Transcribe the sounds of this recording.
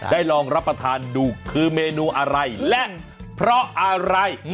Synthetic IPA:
daː˥˩jlɔː˧ŋɾa˦˥pːɾa˧t̪ʰaː˧nduː˨˧kʰɯː˧meː˧nuː˧ʔa˧ɾa˧jlɛ˦˥ʔ | pʰɾɔ˦˥ʔa˧ɾa˧j

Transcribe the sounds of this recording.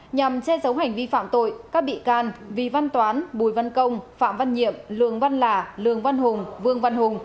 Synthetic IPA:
ɲa˨˩mt͡ɕɛ˧zə˨˦wɦa˨˩jŋ̟vi˧fa̰ː˧˨mt̪o̰˧˨jkaː˦˥k̚ɓḭ˧˨kaː˧nvi˨˩va˧nt̪waː˨˦nɓu˨˩jva˧nkə˧wŋ͡mfa̰ː˧˨mva˧nɲḭ˧˨əmlɨ̰˧˨əŋva˧nlaː˨˩lɨ̰˧˨əŋva˧nɦʊ˨˩ŋ͡mvɨ˧əŋva˧nhʊ˨˩ŋ͡m

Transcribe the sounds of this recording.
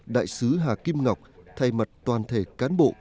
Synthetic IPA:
ɗa̰ː˧˨jsɨ˨˦ɦaː˨˩ki˧mŋa˨˩wk͡p̚t̪ʰa˧jma˨˩t̚t̪waː˨˩nt̪ʰe˧˩kaː˨˦nɓo̰˧˨

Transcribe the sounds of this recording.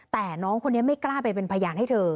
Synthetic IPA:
t̪ɛː˨˩nɔː˦˥ŋkʰo˧nːi˦˥ɐma˥˩jklaː˥˩pa˧jpe˧npʰa˧jaː˧nha˥˩jt̪ʰɤː˧

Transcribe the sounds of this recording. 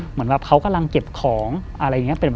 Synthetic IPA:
mɯ˩˦ə˦nka˨˩pkʰa˦˥wka˧mla˧ŋke˨˩p̚kʰɔː˩˦ŋʔa˧ɾa˧jːŋi˦˥pe˧˩n

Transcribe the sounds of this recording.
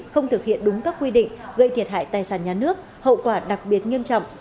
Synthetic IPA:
xə˧wŋ͡mt̪ʰɨ˨˩k̚hḭ˧˨ənɗʊ˨˦ŋ͡mkaː˦˥kːwi˧ɗḭ̈˧˨ŋ̟ɣə˧˨jt̪ʰi˨˩ət̚ɦha̰ː˧˨jt̪aː˨˩jsaː˧˩nɲaː˨˩nɨ˦˥ək̚ | hə̰˧˨kwaː˧˩ɗa˨˩k̚ɓi˨˩ət̚ŋi˧əmt͡ɕɔ̰˧˨wŋ͡m

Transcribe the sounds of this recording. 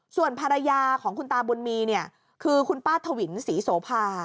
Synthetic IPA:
su˨˩ənpʰaː˧ɾa˧jaː˧kʰɔː˩˦ŋkʰu˧nt̪aː˧bo˧nmiː˧ni˥˩ɐ | kʰɯː˧kʰu˧npaː˥˩t̪ʰːa˧wi˩˦nsiː˩˦soː˨˦pʰaː˧

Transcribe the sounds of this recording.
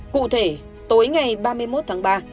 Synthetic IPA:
kṵ˧˨t̪ʰe˧˩ | t̪o˨˦jŋa˨˩jɓaː˧mɨ˧əjmo˦˥t̪̚ʰaː˨˦ŋɓaː˧

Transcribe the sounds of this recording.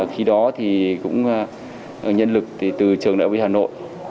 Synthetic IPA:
xi˨˧˦ɗɔ˨˦t̪ʰi˨˩kʊ̰˧˥ŋ͡m | ɲə˧nlɨ˨˩k̪̚i˨˩t̪ɨ˨˩t͡ɕɨ˨˩əŋna̰ː˧˨wḭ˧˩haː˨˩no̰˧˨jʔ

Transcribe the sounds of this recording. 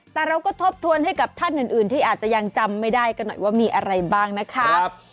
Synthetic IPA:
t̪ɛː˨˩ɾa˧wkɔː˥˩t̪ʰo˦˥p̚t̪ʰu˧ənha˥˩jka˨˩p̚t̪ʰa˥˩nʔɯː˨˩nʔɯː˨˩nt̪ʰiː˥˩aː˨˩t̪̚t͡ɕa˨˩ja˧ŋt͡ɕa˧mːa˥˩jdaː˥˩jka˧nːɔ˨˩jwaː˥˩miː˧ʔa˧ɾa˧jbaː˥˩ŋna˦˥kʰa˦˥

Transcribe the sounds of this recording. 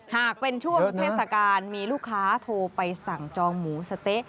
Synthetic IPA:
haː˨˩k̚pe˧nt͡ɕʰu˥˩əeː˥˩t̪sa˧kaː˧nmiː˧luː˥˩kʰːaː˦˥t̪ʰoː˧pa˧jsa˨˩ŋt͡ɕɔː˧ŋmuː˩˦sa˧t̪e˦˥ʔ

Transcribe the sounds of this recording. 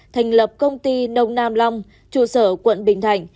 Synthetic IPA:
t̪ʰa˨˩jŋ̟lə˨˩p̚kə˧wŋ͡mt̪i˧nə˧wŋ͡mnaː˧mla˧wŋ͡m | t͡ɕṵ˧˨səː˧˩kwə̰˧˨nɓï˧˩ŋ̟t̪ʰa˧˩jŋ̟

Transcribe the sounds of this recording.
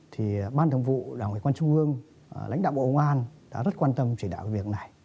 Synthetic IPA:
t̪ʰi˨˩ɓaː˧nt̪ʰə˩ŋ͡mvṵ˧˨ɗaː˨˧˩ŋwi˨˩kwaː˧nt͡ɕu˧ŋ͡mʔɨ˧əŋ | la̰˧˥ŋ̟ɗa̰ː˧˨wɓo̰˧ŋ͡mŋʔaː˧nɗa̰ː˧˥zə˦˥t̚kwaː˧nt̪ə˧mt͡ɕɗaː˧˨wkvi˨˩ək̚na˨˩j

